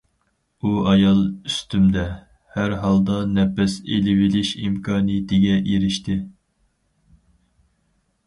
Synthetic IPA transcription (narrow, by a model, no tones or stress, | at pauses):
uɑjɑlˠyst̪ʰymd̪ɛ | hæɾɦɑlˠd̪ɑnɛpɛsḛlɪwɪlɪʃimkʰɑːnɨjɪt̪ɪɡʲɛʔeɾɪʃt̪ʰɪ